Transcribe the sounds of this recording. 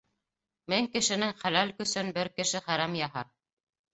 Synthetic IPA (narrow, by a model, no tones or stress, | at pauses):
mɘŋkɘ̆ʃɘ̆nɘŋχælælkɵ̆sɘnbɘɾkɘ̆ʃɘχæɾæmjɑɦɑ